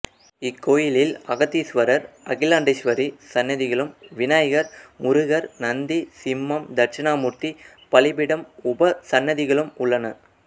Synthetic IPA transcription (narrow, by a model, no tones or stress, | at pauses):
ɪkːoːjɪlɪlɐɣɐt̪ːisʋɐɾɐɾɐɣɪlaːɳɖɪʂʋɐɾisɐnːɐðɪɣɐɭɯmʋɪnaːjɐɣɐɾmʊɾɯɣɐɾnɐnd̪isɪmːɐmd̪ɐɾt͡ʃɐnaːmʊɾt̪i | pɐɭɪbɪɽɐmʊbɐsɐnːɐðɪɣɐɭɯmʊɭːɐnɐ